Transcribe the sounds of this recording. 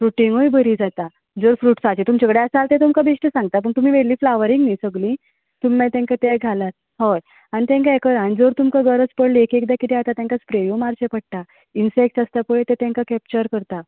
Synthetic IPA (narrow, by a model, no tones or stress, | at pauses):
fɾuʈiŋɡojbʱəɾid͡zat̪a | d͡zoɾfɾuːʈsat͡ɕit̪umt͡ɕakɽeəsalt̪et̪umkabeɕʈəsãŋɡt̪ap̬əɳt̪um̤iːʋeɽliːflaʋəɾiŋɡnisəɡlĩ | t̪umːɛ̃t̪ãŋkat̪ɛɡʱalat̪̚ | hoj | añit̪ɛ̃ŋkaekəɾanid͡zoɾt̪umkaɡəɾət͡spəɽliekek̚d̪akit̪ɛat̪at̪jãŋkat͡spɾeʋjumaɾɕepəɽ̚ʈ̪a | insek̚ʈast̪apəɭet̪et̪jãŋkakɛp̚t͡ɕəɾkəɾt̪a